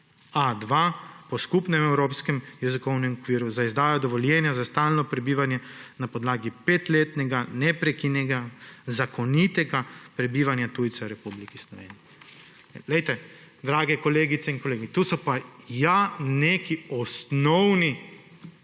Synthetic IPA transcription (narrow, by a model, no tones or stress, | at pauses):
ad̪ʋaːpɔskupnɛmɛwɾoːpskɛmjɛzikɔwnɛmɔkʋiːɾuzaizd̪aːjɔd̪ɔʋɔljɛːnjazast̪aːlnɔpɾɛbiːʋanjɛnapɔd̪laːɡipeːt̪leːt̪nɛɡanɛpɾɛkinɛɡazakɔnit̪ɛɡapɾɛbiːʋanjat̪uːjt̪sɛɾɛpublikislɔʋḛːniɛ | ɛlɛjt̪ɛ | d̪ɾaːɡɛkɔleːɡit̪sɛinkɔleːɡit̪usɔpajaneːkiɔsnɔwni